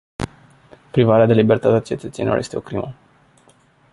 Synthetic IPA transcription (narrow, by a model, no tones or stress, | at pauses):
pɾivaɾead̪e̞libe̞rt̪at̪eat͡ʃe̞t̪ət̪senḭlo̰je̞st̪eo̞kɾimə